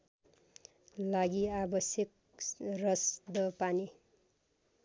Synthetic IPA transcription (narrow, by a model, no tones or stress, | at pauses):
laɡiabʌsjʌk | rʌsd̪ʌpani